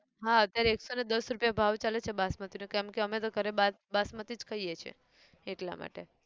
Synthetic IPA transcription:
ɦaət̪jaɾeːksoned̪əsɾupjabʱaʋt͡ʃalet͡ʃʰebasmət̪inukɛmkeəmet̪okəɾeba | basmət̪id͡ʒkəijet͡ʃʰḛ | eʈla̰ma̰ʈe

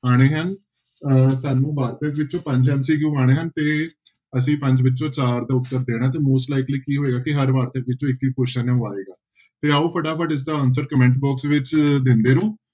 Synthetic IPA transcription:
aːɽ̃eːɦən | saːnũːbaːɾt̪əkʋɪt͡ʃõːpə̃ɲd͡ʒɦənsiːɡjũːaːɽ̃eːɦənt̪eː | əsĩːpə̃ɲd͡ʒʋɪt͡ʃːt͡ʃõːt͡ʃaːɾd̪aːʊt̪ːəɾd̪eːɽ̃aːt̪eːmoːsʈlaːɪkliːkiːɦoːeːɡaːkɪɦəɾʋaːɾt̪əkʋɪt͡ʃõːɪkːiːkoʃənãaːeːɡaː | t̪eːaːuːpʰəʈaːpʰəʈɪs̬d̪aːɔːns̬əɖ̚kəmɛ̃ɳʈbɔːksʋɪt͡ʃd̪ɪ̃nd̪eːnũː

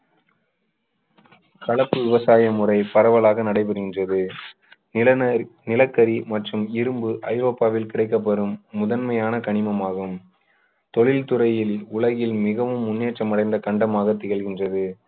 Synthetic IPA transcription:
kɐɭɐpːɯʋɪʋɐsaːjɐmʊrɐɪpɐɾɐʋɐlaːɣɐnɐɽɐɪp̬ɐɾɯɣɪndrɐðɯ | nɪnɪlɐkːɐɾimɐʈrɯmɪɾɯmbɯʔɐɪʋɐpːaːʋɪlkɪɽɐɪk̬ːɐp̬ːɐɾɯmːʊðɐnmɐjaːnɐkɐɳɪmɐmaːɣɯm | t̪ɔɭɪlt̪ʊɾɐjɪlʊlɐɣɪlmɪɣɐʋɯmːʊnːeːʈt͡ʃːɐmɐɽɐɪnd̪ɐkɐɳɖɐmaːɣɐt̪ːɪɣɐɭɣɪndrɐðɯ

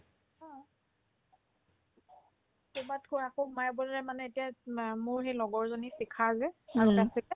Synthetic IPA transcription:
ɔ | tubatkʰoakomajbɔlɹɛmanɛetijamʊɹhejlɔɡɔɹzonisikʰazɛaɹuɛasitɛ

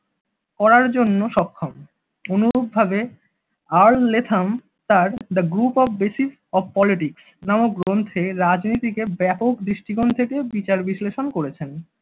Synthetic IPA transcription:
kɔɾaɾd͡ʑonːoʃɔkʰːom | onuɾob̚bʱabe | aɾlːet̪ʰam | t̪aɾd̪aɡɾupɔfbesif | ɔbpɔliʈiks | namoɡɾont̪ʰeɾad͡ʑnit̪ikebɛpokd̪ɾiʃʈiɡont̪ʰekebit͡ɕaɾbisleʃonkoɾet͡ɕʰen

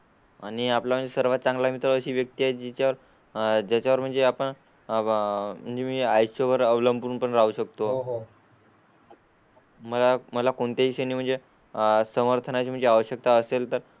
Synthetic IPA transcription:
añiaplam̤əɳd͡zesəɾʋat̪̚t͡saŋɡlamit̪ɾəəɕiːʋjək̚t̪iaɦed͡ʑit͡ɕaʋəɾ | d͡ʑat͡ɕaʋəɾm̤əɳd͡zeapəɳ | m̤əɳd͡zemiːajɕoʋəɾəʋləmpuːnpəɳɾaɦuɕəkt̪o | məlaməlakoɳt̪aʋisəniːm̤əɳd͡ze | səməɾt̪ʰənat͡ɕim̤əɳd͡zeaʋəɕjək̚t̪aəselt̪əɾ

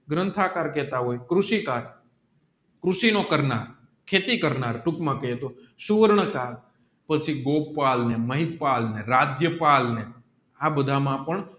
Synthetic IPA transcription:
ɡɾənt̪ʰakaɾkɛt̪aɦojkɾuʃikaɾ | kɾuʃinokəɾnaɾ | kʰet̪ikəɾnaɾʈukmãkəet̪osuʋəɾɳəkaɾ | pət͡ʃʰiɡopalneməɦipalneɾad͡ʒjəpalne | abəd̪ʱamãpəɳ

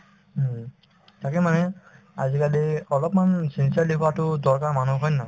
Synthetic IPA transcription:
takɛmanɛ | a̰zikaliɔlɔpmansinsaɹlibʰatʊdɔɹkaɹmanuɦʰɔjna

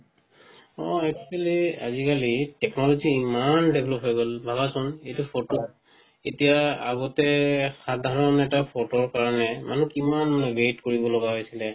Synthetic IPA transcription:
ɔ̰ɛk̚talia̰zikalitɛknɔlɔziːmandebʱlɔpɦɔjɡɔlbʱabasʊnejtupʰotɔ | etijaaɡɔtɛxadʱaɹɔnɛtapʰɔtɔɹkaɹɔnɛmanukimanmanɛbetkoɹibɔlɔɡaɦojsilɛ

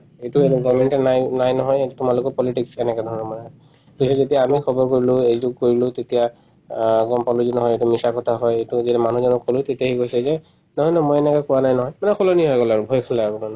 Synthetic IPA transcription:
etueɾɔɡɔmɛnʈɛnajnajnɔɦɔjetumalʊkɔpɔliʈiksɛnɛkadʱɔɹɔnɔmɔnaɔ | bisɔzetiaːmikʰɔbɔɹkoɹilʊejzʊɡ̚koɹilʊ̃tetija | ɡɔmpaluzunɔɦɔjetumisakɔtʰaɦɔjetuzitɛmanuzɔnɔkʰːolʊ̃t̪etiaɦikojsɛzɛ | nɔɦɔjnɔmojɛnɛkakuwanajnɔɦɔjmanɛkʰɔlɔniɦɔjkɔlaɹʊbʱɔjkʰɔlaaɹuman

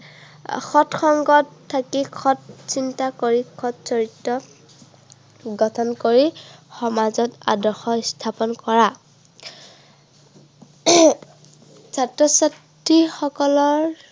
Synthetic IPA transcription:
xʰɔtxɔŋɡɔtʰːakikʰɔtsintakoɹikʰɔtsɔɹitːɔ | ɡɔtʰɔnkoɹixɔmazɔta̰dɔxɔstʰapɔnkɔɹa | zatɹɔsat | ɹixɔkɔlɔɹ

